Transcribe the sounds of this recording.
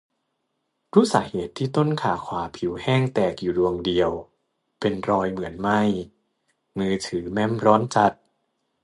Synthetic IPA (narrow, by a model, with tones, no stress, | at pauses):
ɾuː˦˥˩saː˩˦heː˨˩t̪ʰːiː˥˩t̪o˥˨˩nkʰaː˨˩kʰwaː˩˦pʰi˨˩˦whɛː˥˩ŋt̪ɛː˨˩k̚juː˨˩du˧əŋdi˧əw | pe˧nɾɔː˧jmɯ˩˦ənma˥˩j | mɯː˧t̪ʰɯː˩˦mɛ˥˩˨mɾɔː˦˥nt͡ɕa˧˥t̪̚